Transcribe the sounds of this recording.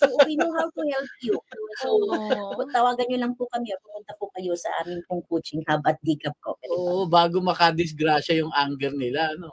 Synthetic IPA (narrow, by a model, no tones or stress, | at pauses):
sʔʊpinoɦab̚kohɛlt̪̚jokoso | t̪ɐwaːɡɐnɲolɐŋpʊkɐmɛɐpɐmʊnt̪ɐpʊkɐjo̞sɐ̰ʔa̰ːmɪŋpʊŋkoːt͡ʃɪŋhabɐt̪̚diːkɐp̚kokɐoːʔʔobaːɡomɐkɐd̪ɪsɡɾaːʃɐjʊŋʔaŋɡɛɾnɪlaʔɐno